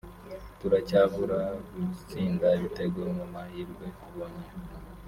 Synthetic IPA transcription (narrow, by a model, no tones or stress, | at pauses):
tuɾacavuɾaɡusiːŋɡaβite̞ɡuɾomumahiɾɡwekuβoɲa